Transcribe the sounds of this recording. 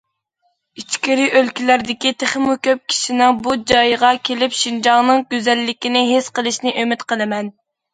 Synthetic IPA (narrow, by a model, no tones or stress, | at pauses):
it͡ʃkʲɪɾiʔølkʲilæɾd̪ɪkʲit̪ʰeχmukʲøp̚kʲʰi̥ʃinɪŋbud͡ʒɑjʁɑkʲʰelɪpʃind͡ʒɑŋnɨŋɡʲøzɛlːɪkʲinɪɦesqəlˠɨʃnɪʔømɪt̪qəlˠɨmɛn